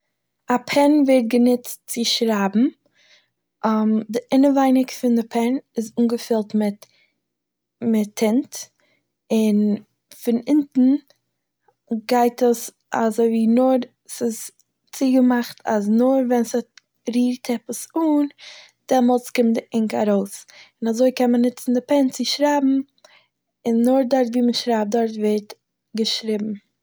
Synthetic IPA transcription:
apʰɛnvɛt̚ɡənɪt͡st͡sɪʃɾabm̩ | amdɪʔɪnəvaɪnɪkfɪndɪpʰɛnɪzuːnɡəfɪlˠtmɪt | mɪtʰːɪnt | ɪn | fɪnɪntn̩ | ɡaɪtəs | a̰zoɪviːnʊɾ | sɪs | t͡siɡəmaχtʰaznʊɾvɛnshɔt̚ | ɾiːɾtʰɛpəsun | d̥ɛmɔlˠt͡skɪmtdɪʔɪŋka̰ɾoʊsɪnazoɪkɛnmənːɪt͡sn̩dɪpɛnt͡sɪʃɾaːbm̩ | ɪnːʊɾdɔɾtviːməʃɾap̚dɔɾtveɪɾt | ɡəʃɾɪbm̩

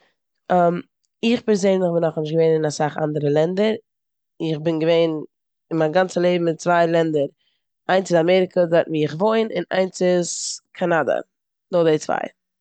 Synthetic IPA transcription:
am | ɪχpɛɾzøːnlˠɪχbɪnɔχnɪʃ̬ɡəveɪnɪnasaχa̰ndəɾəlˠɛndəɾ | ɪχbɪnɡəveɪn | ɪnmanɡant͡səlˠeɪbm̩ɪtt͡svaɪlˠɛndəɾ | aɪnt͡sɪzamɛɾɪkʰəzatviɪχvoɪnʔɪna̰ɪnsɪskʰanadə̰ | dɔdeɪt͡sva̰ɪ

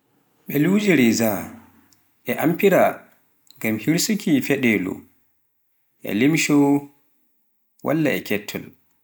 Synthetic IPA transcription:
ɓɛlud͡ʒiɾɛza | ʔɛʔampiɾa | ŋɡamhiɾsukʰifɛɗɛlṵ | ʔɛ̰limʃɔ | wʔa̰lːaɛkɛtʰːɔ̰l

